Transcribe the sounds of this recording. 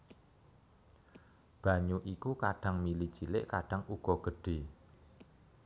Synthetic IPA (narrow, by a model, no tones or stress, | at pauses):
b̥a̤ɲuʔikukaɖ̥ä̤ŋmili̥ʒ̥ilɪ̰ʔkaɖ̥aŋuɡ̥ɔ̤ɡ̥əɖ̥e̤